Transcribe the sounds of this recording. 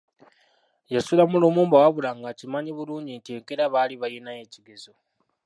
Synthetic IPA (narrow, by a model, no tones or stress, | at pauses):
jasulamuloːmuːmbawaβulaŋɡacimaɲiβuluːɲɟintieŋkeɾaβaliβajenaje̞ːciɡe̞zo